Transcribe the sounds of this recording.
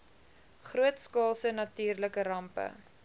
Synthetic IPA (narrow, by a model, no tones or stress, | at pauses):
χruətskɑːlˠsənɐtyːrləkəɾɐmpə̰